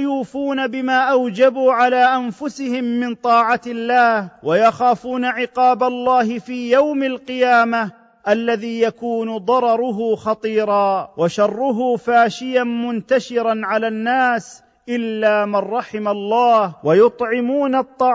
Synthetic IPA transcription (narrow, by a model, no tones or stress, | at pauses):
juːfuːnabɪmaːʔawd͡ʒabuːʕalaːʔanfʊsɪhɪmːɪnt̪ˤɑːʕat̪ɪlːaːhwajaxaːfuːnaʕɪqɑːbalˤːɑːɦɪfiːjawmalqɨjaːma | ʔalːaðiːjakuːnʊd̪ˤɑɾˤɑɾˤʊɦʊxɑt̪ˤiːɾɑːwaʃɑrˤːʊɦʊːfaːʃɪjanmʊnt̪aʃɪɾanʕalaːnːaːs | ʔɪlːaːmarˤːɑħɪmalˤːɑːhwajʊt̪ˤʕɪmuːnat̪ˤːɑː